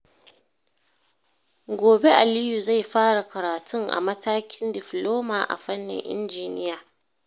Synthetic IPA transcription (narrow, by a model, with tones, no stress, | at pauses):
ɡʷoː˨be˦ʔa˨lɪ˦ju˨za˦˨jɸaː˦ɽa˨kɐ˨ɾaː˨tʰʊ˦ŋʔa̰˨mɐ˦taː˦kʲɪ˦ndɪ˨ɸloː˦maː˨ʔa̰˨ɸɐ˦nːɪ̰˨ŋʔɪ̰˦nd͡ʒiː˨nɪ˦jaː˨